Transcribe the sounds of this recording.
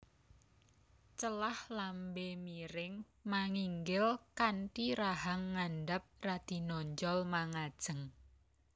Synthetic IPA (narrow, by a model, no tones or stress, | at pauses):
t͡ʃəlahlambemiɾɪŋ | maŋiŋɡɪlkanʈiɾaɦaŋːanɖap̚rad̪̥i̤nɔɲd͡ʒɔlmaŋad̥ʒ̥ə̤ŋ